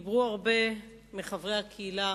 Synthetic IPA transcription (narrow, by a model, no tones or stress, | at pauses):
bʁuaʁbe̞ | miχavʁejakʰeila